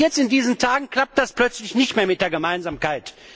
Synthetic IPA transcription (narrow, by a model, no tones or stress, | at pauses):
jɛt͡stɪndiːzn̩tʰaːɡŋ̩kl̥ap̚t̚d̥asplœt͡slɪçnɪçtmeːɐmɪt̚d̥eːɐɡəmaɪnzaːmkaɪt